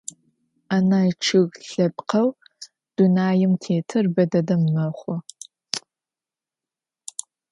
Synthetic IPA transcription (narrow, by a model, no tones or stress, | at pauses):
aːnaːʈ͡ʂʰɨɣɬɐp̚qɐw | d̥unaːjɪmtʰeːtʰɨrbɐdɐdɐmːɐχʷɔ